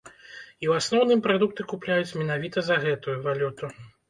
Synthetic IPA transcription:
iwasnɔwnɨmpɾad̪uk̚t̪ɨkuplʲajut͡sʲmʲɛnavʲit̪ɐzɐɣɛt̪ujuvalʲut̪u

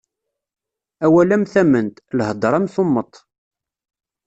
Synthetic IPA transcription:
æwælæmθæmənt̪lhəd̪ˤɾˤæmθʊmːət̪ˤ

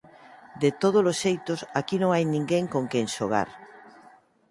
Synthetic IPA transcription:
d̪et̪oð̞olosʃejt̪osakinõŋajnĩŋɡeŋkoŋkeŋʃoɣ̞a̰ɾ

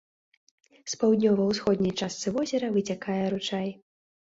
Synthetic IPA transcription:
spawd̪ʲnʲɔvɐwsxɔd̪ʲnʲɐjt͡ʂast̪sɨvɔzʲɛɾɐvɨt͡sʲakajɛɾut͡ʂaj

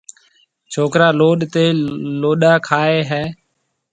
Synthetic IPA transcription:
t͡ʃʰoːkɾaːloːɗt̪eːloːɗaːkʰaːeːɦɛː

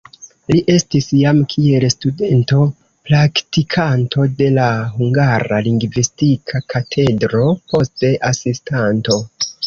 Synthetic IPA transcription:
liʔe̞stisjamkʰie̞lstude̞nto̞ | pɾaktikʰanto̞de̞lahuŋɡaɾaliŋɡvistikʰakʰatʰe̞dɾo̞po̞ste̞ʔasistanto̞

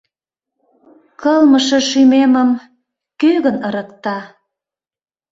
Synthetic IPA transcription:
kəlməʃeʃymeməm | køɣənəɾə̆kt̪ɑ

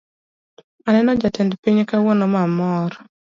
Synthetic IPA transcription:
anɛnɔd͡ʒatɛndpiɲkawonomamɔɾ

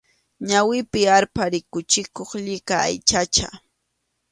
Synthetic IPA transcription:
ɲawɪpɪaɾpaɾɪkʊt͡ʃɪkoχʎɪkaa̰jt͡ʃat͡ʃa

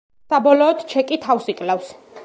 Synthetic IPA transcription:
sabɔlɔːd̪̥t͡ʃʰɛkʼit̪ʰafsikʼlɛfs

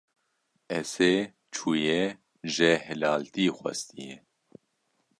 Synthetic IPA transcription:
ɛseː | t͡ʃʰuːjɛ | ʒɛhɛlaːlt̪iːxwɛ̰st̪ijɛ

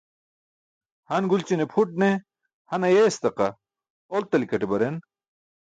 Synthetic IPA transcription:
hɐnɡult͡ɕinepʰuʈ̚ne | hɐnɐjest̪ɐqɐ | olt̪ɐlikɐʈebɐɾen

